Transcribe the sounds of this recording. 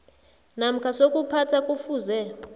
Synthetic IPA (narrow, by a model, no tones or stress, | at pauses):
nam̩kʰasokʼupʰatʰakʼufuːzɛ